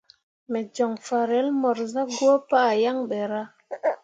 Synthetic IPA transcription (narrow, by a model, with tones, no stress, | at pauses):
me˨d͡ʒɔ˨ŋfa˨ɾe˨˦lmɔ˨ɾza˦ɡwo˦pa˦˨ja˦ŋɓe˨ɾa˦